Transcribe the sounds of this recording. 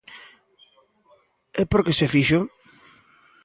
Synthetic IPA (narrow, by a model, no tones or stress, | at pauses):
ɛpoɾkesefiʃo